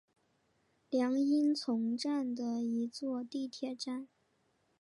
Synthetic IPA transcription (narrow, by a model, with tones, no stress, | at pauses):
ljɑ˧˥ŋi˥nt͡sʰʊ˧˥ŋʈ͡ʂa˥˩nd̪ə˩i˧˥t͡swɔ˥˧t̪i˥˧t̪ʰjɛ˥˩ʈ͡ʂa˥˩n